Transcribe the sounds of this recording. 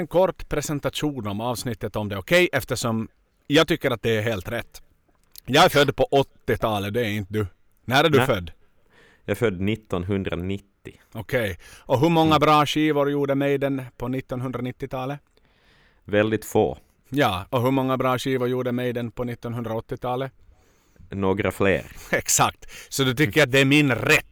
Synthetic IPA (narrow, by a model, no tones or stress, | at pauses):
ɛnkʰɔɾʈːpʰɾɛsɛnt̪aʂuːnɔmɑːvsnɪt̪ːət̪ɔmd̪ɛɔkʰɛjʔɛft̪əʂɔm | jɑːɡ̚t̪ʏkːəɾat̪̚d̪ɛæɾɦeːlt̪ɾɛt̪ː | jɑːɡæɾfœd̪ːpʰɔʔɔt̪ːɪt̪ʰɑːləd̪ɛæɾɪnt̪əd̪ʉ | næɾæɖɵfœd̪ː | jɑfœd̪ːnɪt̪ːɔnɦɵnd̪ɾa̰nɪt̪ːɪ | ɔkʰɛjɔɦɵmɔŋːabɾɑːɕiːvʊɾjuːɖəmɛjd̪ɛnpʰɔnɪt̪ːɔnɦɵnd̪ɾanɪt̪ːɪt̪ʰɑːlə | vɛld̪ɪt̪fo̰ː | jɑːɔɦɵmɔŋːabɾɑːɕiːvʊɾjuːɖəmɛjd̪ɛnpʰɔnɪt̪ːɔnɦɵnd̪ɾaɔt̪ːɪt̪ʰɑːlə | noːɡɾa̰flḛːɾɛksakt̪sɔd̪ɵt̪ʏkːəɾat̪̚d̪ɛæɾmɪnɾɛt̪ː